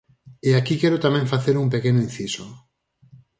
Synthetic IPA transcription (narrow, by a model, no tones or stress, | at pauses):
eakikɛɾʊt̪amɛ̃ŋfaθeɾumpekenoĩn̟θiso